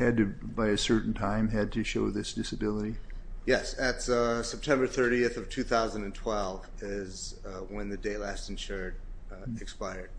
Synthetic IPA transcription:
ɨd̚tɨbaɪɨsɜ˞ʔn̩tʰãɪ̃mɨd̚tʰɨʃoʊðɪsd̥ɪsɨbɪlˠəɾijɛsɨtsɛp̚tʰɛ̃mbə˞θɜ˞ɾiɨθʌv̥tʰʉθaʊzə̃n̩dɨ̃ntʰw̥ɛlˠv | ɪz | wə̃nðɨdeɪtˡlæstɨ̃nʃɜɹɾ | ɨkspaɪə˞d̥̚

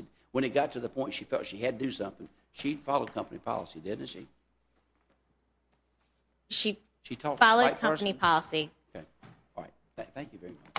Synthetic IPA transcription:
d̚ | wə̃ñɨt̚ɡ̥ɑtʰɨðɨpʰɔ̃ɪ̃ntʃifɛ̰lˠtʃiɨd̚tʰɨdɨsʌ̃mθɪ̃ŋ | ʃi̥fɑlˠoʊd̚kʰʌ̃mpənipʰɑ̰lˠəsidɪdⁿn̩ʃḭ | ʃi | ʃitʰɔfɑlˠoʊkʰʌ̃ɨnipʰɑlˠəsiokʰeɪ | ɹa̰ɪt̚θæ̃θæ̃ŋkjɨvɛɹimʌt͡ʃ

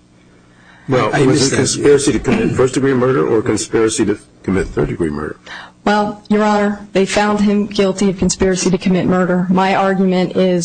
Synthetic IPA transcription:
wɛlˠwʌzɨkʰɨ̃nspɪɹɨsiɾɨkʰɨmɪtfɜ˞sd̥ɨɡɹimɜ˞ɾə̰˞ʔə˞kɨ̃nspɪɹɨsiɾɨ | kʰɨmɪt̪̚θɜ̰˞dɨɡɹḭmɜ̰˞ɾə̰˞wɛlˠjə˞ɑnə˞ðeɪfãʊ̃nd̚ɪ̃mɡɪlˠtiʌv̥kʰɨ̃n̩spɪɹɨsiɾɨkʰɨmɪt̚mɜ˞ɾə˞maɪɑɹɡjmɨ̃ñtɪz

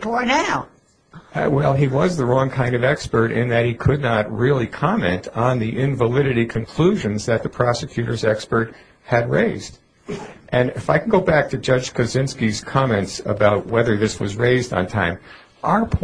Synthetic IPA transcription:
fɔɹnaʊ | wɛlˠiwʌzðəɹɔ̃ŋkʰãɪ̃ndʌvɛkspə˞ɾɪ̰̃nðɨt̚hikʰɨdⁿnət̚ɹɪlˠikʰɑmɛ̰̃ntn̩ðiʔɪ̃ɱvəlɪɾɨɾikʰɨ̃nkʰl̥uʒɨ̃nzðɨt̪̚ðəpʰɹ̥ɑsɨkʰj̥ʉɾə̰˞zɛkspə˞t̚ | hɨd̚ɹeɪzd | ʔɨ̃nɨfaɪkʰn̩ɡoʊbæk̚tʰɨd͡ʒʌ̥d͡ʒ̥kʰɨzɪ̃nskiz̥kʰɑmɛ̃ntsə̰baʊt̚wɛðə˞ðɪswʌ̰zɹeɪzdn̩tʰã̰ɪ̃m | ʔa˞pʰ

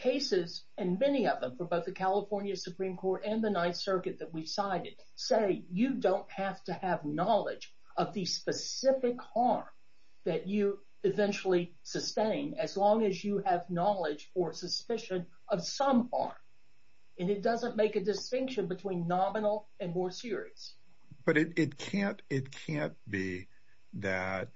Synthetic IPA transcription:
kʰeɪsɪz | ɨ̃nmɛniʌvðə̃ɱfə˞boʊθðɨkʰælˠəfɔɹnjɨsupʰɹ̥ĩmkʰɔɹɾɨ̃nðɨnaɪtsɜ˞kɨt̪̚ðɨt̚wi̥saɪɾɨd̥ | seɪjɨdõʊ̃ntʔ̚hæftɨːvnɑlˠɪ̰d͡ʒ | ʌvðɨspɨsɪfɨkhɑɹm | ðɨt͡ʃɨ | ɨvɛ̃nt͡ʃl̩ˠi | sɨstẽɪ̃nɨzlɔ̃ŋɨzjɨɨvnɑlˠɪd͡ʒə˞sɨspɪʃɨ̃n | ʌv̥sʌ̃mhɑ̰ɹm | ɨ̃nɨt̚d̥ʌzə̃nmeɪkɨdɨstɪ̃ŋkʃɨ̃nbɨtʰw̥ĩnːɑmənl̩ˠ | ɨ̃nmɔɹsɪɹḭɨs | b̥ʌɾɨɾɪt̚kʰæ̃ntɪt̚kʰæ̃nb̥i | ðɨt̚

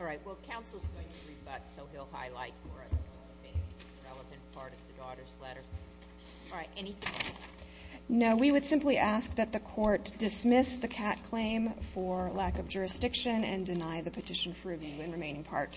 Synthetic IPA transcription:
ɔɹaɪt̚wɛlˠkʰãʊ̃nsl̩ˠzɡoʊɪ̃ŋtʰɨɹibʌtsoʊilˠha̰ɪla̰ɪtfə˞ʌs | ɨbeɪz | ɹɛlˠəvɨ̃npʰɑɹɾʌvðɨdɔɾə˞zlɛɾə˞ | ɹaɪtʔɛniθɪ̃ŋ | noʊwiwɨd̥sɪ̃mpliʔæsk̚ðɨt̪̚ðɨkʰɔɹtd̥ɨsmɪsðɨkʰæt̚kʰl̥ẽɪ̃mfə˞lækʌvd͡ʒʊɹɨsd̥ɪkʃɨ̃nɨ̰̃ndɨnaɪðɨpʰɨtʰɪʃɨ̃n̩fə˞ɹɨvjʉɨ̃nɹɨmẽɪ̃nɪ̃ŋpʰɑ̰ɹt

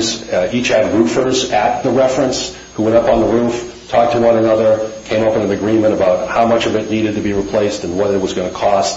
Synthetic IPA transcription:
zit͡ʃhɨd̚ɹufə˞zɨt̪̚ðəɹɛfɹɨ̃ns | huwɛ̃ɾʌpn̩ðəɹuf | tʰɔk̚tʰəwʌ̃ñənʌðə˞kʰẽɪ̃moʊpɨ̃nɨ̃nɨɡɹĩmɨ̃ɾ̃ɨbaʊt̚haʊmʌt͡ʃʌvɨtⁿniɾɨd̚tɨbiɹipʰl̥eɪstɨ̃nwʌɾɨt̚wʌzɡʌnɨkʰɔst

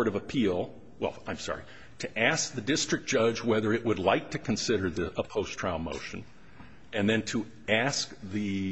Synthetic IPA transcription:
ɹɾʌvəpʰilˠ | wɛ̰lˠãɪ̃msɑ̰ɹḭ | ɾʰɨʔæsk̚ðɨdɪstɹ̥ɨk̚d̥ʒ̥ʌd͡ʒwɛðə˞ɨʔwədˡlaɪk̚tʰɨkʰɨ̃n̩sɪɾə˞ðɨəpʰoʊstʰɹ̥ãʊ̃lˠmo̰ʊʃɨ̃n | ɨ̃nðɨ̃ntʰə | æsk̚ðɨ

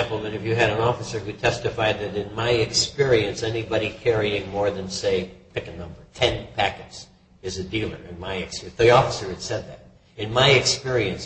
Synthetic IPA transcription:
mpl̩ˠmɨ̃nɨfjɨɨɾɨ̃nɔfəsə˞jɨtʰɛstɨfaɪd̪̚ðɨɾɨ̃nmaɪɨkspɪɹiɨ̃nsɛnibɑɾikʰɛɹiɪ̃ŋmɔɹðɨ̃nseɪpʰɪkɨnʌ̃mbə˞tʰɛ̃npʰækɨts | ɨzɨdilˠə̰˞ɨ̃nmaɪɨksðiɔfəsə˞ɨd̥sɛd̪̚ðɨɾ̚ | ɨ̃nmaɪɨkspɪɹiɨ̃ns

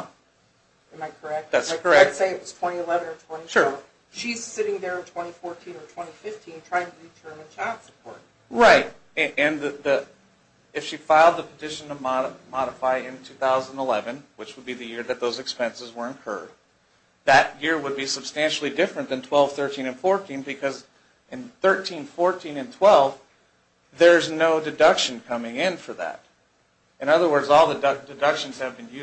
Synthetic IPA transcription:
ɨ̃maɪkʰə˞ɛk̚t̚ðætskʰə˞ɛk̚seɪɨt̚wʌz̥tʰw̥ɛ̃ɾ̃iəlɛvɨ̃nə˞tʰw̥ɛ̃ñiʃʊɹv | ʃiz̥sɪɾɪ̃ŋðə˞ɨ̃ntʰw̥ɛ̃ɾ̃ifɔɹtʰĩnə˞tʰw̥ɛ̃ɾ̃ifɪftʰĩntʰɹ̥aɪɪ̃ŋtʰɨditʰɜ̃˞mɨ̃nt͡ʃʰætsə̥pʰɔ̰ɹt̚ | ɹaɪt̚ɨʔɨ̃nððɨ | ɨfʃifaɪlˠd̪̚ðəpʰətʰɪʃɨ̃n̩ʌmɑɾəmɑɾəfaɪɪ̃ntʰʉθaʊz̃nəlɛvɨ̃nwɨt͡ʃwəd̚biðɨjɪɹðɨt̪̚ðoʊzɨkspɛ̃nsəzwə˞ɨ̃nkʰɜ̰˞d̪̚ | ðɨʔ̚jɪɹwəd̚bisəb̥stæ̃nʃl̩ˠidɪfɹɨ̃nðɨ̃ntʰw̥ɛlˠv̥θɜ˞tʰĩnɨ̃nfɔɹtʰĩnbɨkʰʌz | ʔɨ̃nθɜ˞tʰĩnfɔɹtʰĩnɨ̃ntʰw̥ɛlˠv | ðə˞ɨznoʊdɨdʌkʃɨ̃n̩kʰʌmɪ̃ŋɪ̃nfə˞ðæ̰ɾ | ɨ̃ñʌðə˞wɜ˞dzɔlˠðɨdɨdʌkʃɨ̃n̩z̥ɨvbɨ̃njʉ

